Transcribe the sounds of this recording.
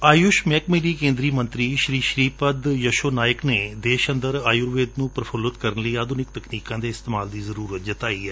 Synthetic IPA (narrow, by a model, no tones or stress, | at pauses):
aːjʊʃmɛːkmiːɾiːkẽːnd̪ɾiːmə̃nt̪ɾiːʃɾiːʃɾiːpəd̪jəʃoːnaːjəkneːd̪eːʃənd̪əɾaːjʊɾʋeːd̪nũːpɾəfʰʊlət̪kəɾənləiːaːd̪unɪk̚t̪əkniːkãːd̪eːɪst̪eːmaːld̪iːzəɾuːɾət̪̚d͡ʒət̪aːiːɛː